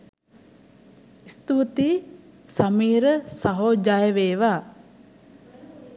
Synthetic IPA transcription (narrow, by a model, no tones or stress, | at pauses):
ist̪uʋut̪iː | sɐmiːɾəsaɦoːd͡ʒajəʋeːʋaː